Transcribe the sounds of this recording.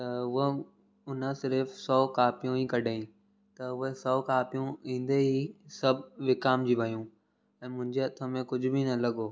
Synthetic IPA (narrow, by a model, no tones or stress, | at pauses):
t̪ɐʊɦe | ʊnəsɪɾfsɔːkaːpijõĩkɐɗaĩ | t̪ɐʊɦesɔːkaːpijũĩːn̆d̪eisɐbʱʋɪkaːmd͡ʑiːʋɐjũ | ɛ̃ːmʊ̃ɦɪ̃ɲd͡ʑeɐt̪ʰəmẽkʊd͡ʑʱʊ̆binɐlɐɠoː